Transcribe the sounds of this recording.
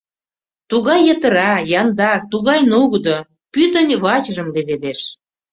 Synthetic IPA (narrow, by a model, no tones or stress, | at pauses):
t̪uɣɑjːət̪ə̆ɾɑjɑnd̪ɑrt̪uɣɑjnuɣd̪o | pyt̪ə̆nʲβɑt͡ɕəʒə̆mleβed̪eʃ